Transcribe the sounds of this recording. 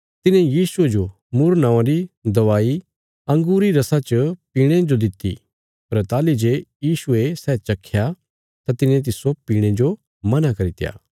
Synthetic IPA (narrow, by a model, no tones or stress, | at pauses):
t̪ɪnẽjiːsʊed͡ʒo | muɾnãːãɾid̪ɐʋaːi | ɐ̃ŋɡuːɾiɾɐsat͡ʃəpiːɽ̃ẽd͡ʒod̪ɪt̪ːḭ | pɐɾt̪aːlid͡ʒeːjiːsʊesɛːt͡ʃɐkʰːja | t̪at̪ɪnẽt̪̬ɪsopiːɽ̃ed͡ʒo | mɐnakɐɾit̪ɪja̰ː